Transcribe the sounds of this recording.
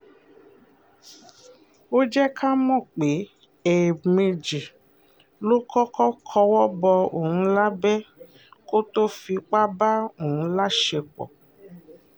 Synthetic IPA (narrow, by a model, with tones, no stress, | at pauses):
wo˦d͡ʒɛ˦kʰa˦mɔ̃˦˨k͡pe˨˦ | e˨me˧d͡ʒi˨ | lo˦kʰɔ˦kɔ˦kʰɔ˧wɔ˦bɔ˧o˨hũ˧la˦bɛ˦ | ko˦to˦fi˧k͡pa˦ba˦o˨hũ˧˦la˦ʃe˧k͡pɔ̰˨